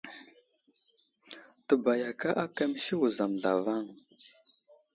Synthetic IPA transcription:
tə˨ba˨ja˨ka˦ʔa˦ka˦mi˦ʃi˦wu˨za˨m˨ɮa̰˨va˦˨ŋ

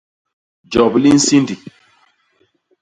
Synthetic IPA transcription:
d͡ʒɔ˨bli˦n̩˦si˦ndi˨

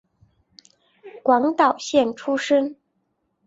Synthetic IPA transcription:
kwɑ˧˥ŋt̪ɑ˨˩ʊɕjɛ˥˩nʈ͡ʂʰu˥ʂə˥ŋ

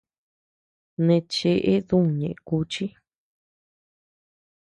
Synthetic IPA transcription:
nẽ˧t͡ʃe˧ʔe˦ðũ˦˨ɲẽ˨ʔẽ˧ku˧t͡ʃi˦

